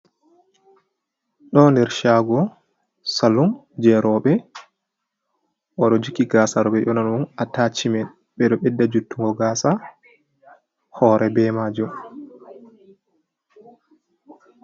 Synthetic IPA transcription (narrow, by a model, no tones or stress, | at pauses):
ɗɔndɛɾʃaɡɔ | salum | d͡ʒɛɾɔɓɛ | ʔɔɗɔd͡ʒukiɡaːsaɾɔɓɛʔɔnanunatat͡ʃimɛn | ɓɛɗɔɓɛdːad͡ʒutːuŋɡɔɡaːsa | hɔːɾʔɛbɛmad͡ʒum